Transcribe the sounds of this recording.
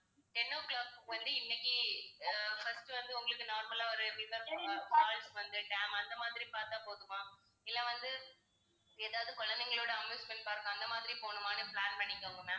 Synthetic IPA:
ʈɛnːɐʋkɭaːkʋɐnd̪ɯɪnːɛkːi | fɐsʈɯʋɐnd̪ɯʊŋɡɐɭɯkːɯnaːɾmɐlaːɔɾɯɾɪsɐɾpɐɡɐːaːlsʋɐnd̪ɯʈɛːmɐnd̪ɐmaːðɪɾipaːɾt̪ãːpoːðɯmaː | ɪlːɐʋɐnd̪ɯ | eːðaːʋɐðɯkɔɭɐnd̪ɛŋɡɐɭoːɽɐɐmeːspɐɳːipaːɾɯkːɐ̃ɐnd̪ɐmaːðɪɾipoːɳɯmaːnɯpɭaːnpɐɳːɪŋɡɐʊŋɡɐmːãː

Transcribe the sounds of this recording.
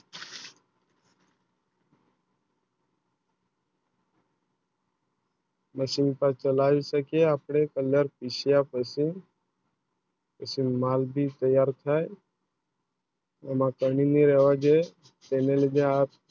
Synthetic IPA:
məsinpat͡ʃəlaːʋisəkeaːpɽ̃ekəljəɾpisijapəsi | pəsinmaːlbʱit̪əjaːɾt̪ʰae | əmãkəɳiniɾeːʋad͡ʒe | t̪eːneled͡ʒẽaː

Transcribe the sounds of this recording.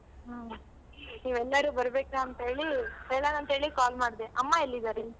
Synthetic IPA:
ɦ | niːʋɛlːɐɾuːbɐɾbeːknaɐnt̪ɦe̞ːɭisɛːlanɐnt̪ɦe̞ːɭikaːlmaːɽd̪eʔɐmːaelːid̪aːɾe

